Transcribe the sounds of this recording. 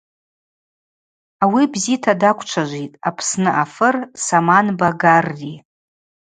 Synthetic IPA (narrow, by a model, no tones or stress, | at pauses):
awibzitʰadakʷʰʼt͡ʃʷʰaʒʷitʼapʰsnɨʔafɨrsamanbaɡarːi